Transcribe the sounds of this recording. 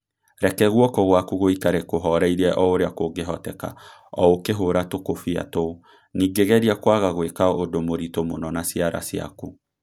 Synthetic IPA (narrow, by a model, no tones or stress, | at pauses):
ɾɛkɛɣwɔkɔɣwakuɣoikaɾekoɦɔɾɛiɾɛʔɔoɾeakoɡeɦɔtɛka̰ɔ̰okeɦoɾatokofia̰to | niːɡeɣɛɾiakwaɣaɣwekaodomoɾitomonɔnasiaɾa̰sja̰ku